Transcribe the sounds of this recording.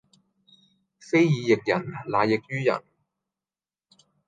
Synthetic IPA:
fe˥jjiː˨˧jɪ˨k̚jɐ̰˨˩nlaː˨jɪ˨k̚jyː˥jɐ̰˨˩n

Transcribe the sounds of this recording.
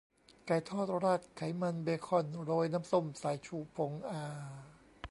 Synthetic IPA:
ka˨˩jt̪ʰɔː˥˩t̪̚ɾaː˧˥˩t̪̚kʰːa˨˩˦jma˧nbeː˧kʰɔ˧˩˨nɾoː˧jnaː˦˥˨mso˧˥˩msaː˨˦jt͡ɕʰuː˧˩pʰo˨˦ŋʔaː˧

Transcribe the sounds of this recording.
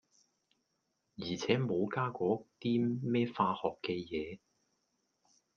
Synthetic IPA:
jiː˨˩t͡sʰɛː˨˥mo˨˧wkaː˥kɔː˨˥t̪iː˥mɛː˥faː˧hɔː˨kːɛː˧jɛː˨˧

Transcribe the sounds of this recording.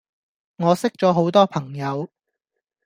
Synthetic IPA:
ŋɔː˨˧sɪ˥k̚t͡sɔː˨˥ɦo˨˥wt̪ɔː˥pʰɐ˨˩ŋjɐ˨˧w

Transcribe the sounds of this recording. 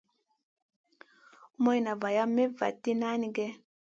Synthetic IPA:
mo˦jna˨va˨ja˦me˦va̰˨tːi˦na˦ni˦ɡɛ˦

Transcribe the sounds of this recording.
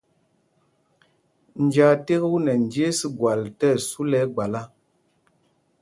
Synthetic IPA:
n̩˨d͡ʒa˨te˦ɣu˦nɛ˨n˨d͡ʒe˦si˦ɡwa˨ltɛ˦˨su˦lɛ˦ɡ͡ba˨la˦

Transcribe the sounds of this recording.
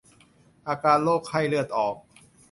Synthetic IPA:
ʔaː˧kaː˧nloː˥˩k̚ʰhʰa˥˩jlɯ˥˩ət̪̚ʔɔː˨˩k̚

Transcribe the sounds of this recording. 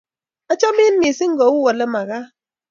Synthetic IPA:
a˦t͡ʃa˦mi˦n̩˦ni˨si˦ŋ̩˦ɡɔ˨˦u˦wɔ˨le˦ma˨ɣa˦

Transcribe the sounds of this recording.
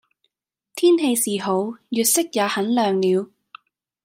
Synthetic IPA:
t̪ʰiː˥nɦe˧jsiː˨˩ɦo˨˧˥wjyː˨t̚sɪ˥k̚jaː˨˧hɐ˨˥nlœː˨ŋliː˨˧w

